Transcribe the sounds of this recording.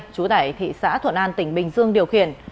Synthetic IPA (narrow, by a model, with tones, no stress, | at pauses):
t͡ɕu˨˦t̪aː˧˩jt̪ʰḭ˧˨sa̰ː˧˥t̪ʰwə̰˧˨nʔaː˧nt̪ï˧˩ŋ̟ɓï˨˩ŋ̟zɨ˧əŋɗi˨˩əwxḭ˧˨ən